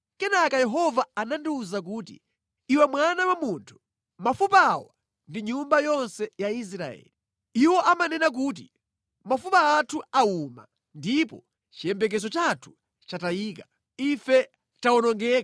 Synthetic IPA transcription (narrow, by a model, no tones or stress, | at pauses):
kɛnakajɛɦɔvaːnandiuzak̬uːtḭ | iwɛmwanawamuntʰu̥ | mafupawa | ndiɲumbajɔnsɛjais̬ɾaɛ̰ːli | iwɔʔamanɛnak̬uːt̬i | mafupaatʰuauma̰ | ndipɔ | t͡ʃijɛmbɛk̬ɛzɔt͡ʃatʰu̥ | t͡ʃatajiːkḁ | ifɛ | taɔnɔŋɡɛːka